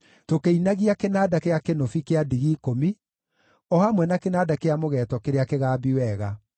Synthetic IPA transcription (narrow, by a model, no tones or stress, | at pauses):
tokeinaɣiakenaːdakeakenofikeadiɣikomi | ɔhamwɛnakenaːdakeamoɣɛːtɔkeɾeakeɣaːbiwɛɣa